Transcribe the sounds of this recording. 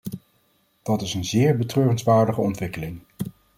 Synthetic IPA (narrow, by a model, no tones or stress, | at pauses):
d̥ɑtɪsənzɪːɹbətrøːrənzʋaːɹdəχəɔntʋɪkəlɪŋ